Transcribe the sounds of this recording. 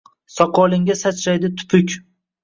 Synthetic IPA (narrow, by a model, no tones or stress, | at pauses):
sɒqʰɒlˠɪŋɡʲasat͡ʃɾajd̪ɪt̪ʰʊ̥pʰʊkʲ